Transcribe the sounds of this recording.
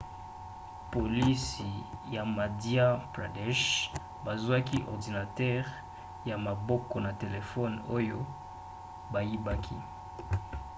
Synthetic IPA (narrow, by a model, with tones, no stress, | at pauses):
po˨li˦si˨ja˨ma˨dja˦pla˨dɛ˦ʃ | ba˨zwa˦ki˦ʔɔ̰˨ʁdi˨na˨tɛ˦ʁ | ja˨ma˨bɔ˦kɔ˨na˨te˨le˨fɔ˦no˦jo˦ | ba˨ji˦ba˦kʰḭ˦